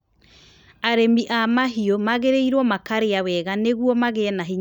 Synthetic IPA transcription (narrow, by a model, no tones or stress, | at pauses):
aɾemiʔamaɦiomaɣeɾeiɾwɔmakaɾeawɛɣaneɣwɔmaɣenaɦiɲ